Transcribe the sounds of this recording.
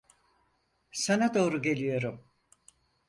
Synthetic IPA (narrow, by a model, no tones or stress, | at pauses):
sanad̪o̞ːɾuɟe̞lʲijo̞ɾum